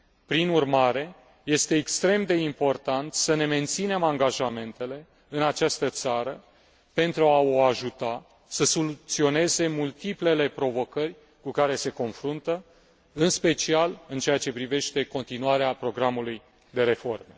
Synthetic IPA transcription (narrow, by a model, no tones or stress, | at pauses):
pɾinurmaɾe̞ | je̞st̪e̞ːkst̪ɾe̞md̪e̞impo̞rt̪ant̪səne̞me̞nt̪sine̞maŋɡaʒame̞nt̪e̞le̞ | ɨnat͡ʃast̪ət̪saɾə | pe̞nt̪ɾuao̞aʒut̪a | səso̞lut̪sio̞ne̞ze̞mult̪iple̞le̞pɾo̞vo̞kərʲ | kukaɾe̞se̞ko̞nfɾunt̪ə | ɨnspe̞t͡ʃialɨnt͡ʃeat͡ʃe̞pɾive̞ʃt̪e̞ko̞nt̪inuaɾeapɾo̞ɡɾamuluj | d̪e̞ɾe̞fo̞rme̞